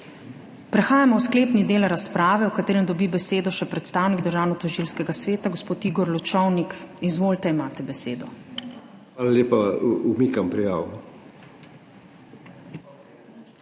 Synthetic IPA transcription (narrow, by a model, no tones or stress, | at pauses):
pɾɛxaːjamɔwskleːpnid̪eːlɾaspɾaːʋɛwkat̪eːɾɛmd̪ɔbibɛseːd̪ɔʃɛpɾɛt̪st̪aːwniɡd̪əɾʒaːwnɔt̪ɔʒilskɛɡasʋeːt̪aɡospoːt̪iːɡɔɾlɔt͡ʃɔwnikizʋoːlt̪ɛimaːt̪ɛbɛseːd̪ɔ | aːlaleːpaumikampɾija̰ːwn